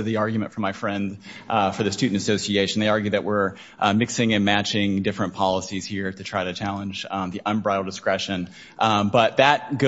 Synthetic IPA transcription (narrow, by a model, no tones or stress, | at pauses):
ðiɑɹɡjmɨ̃ntfɹʌ̃maɪfɹɛ̃ndfə˞ðɨstʉn̩tɨsoʊsieɪʃɨn̩ðeɪɑɹɡjʉðɨʔwɪɹ | mɪksɪ̃ŋɨ̃nmæt͡ʃɪ̃ŋdɪfɹɨ̃npʰɑlˠəsiz̥hiɹɾɨtʰɹ̥aɪɾɨt͡ʃʰælˠə̃nd͡ʒðiʔə̃nbɹaɪɾl̩ˠdɨskɹɛʃɨ̃n | ʔbʌt̪̚ðɨt̚ɡ̥o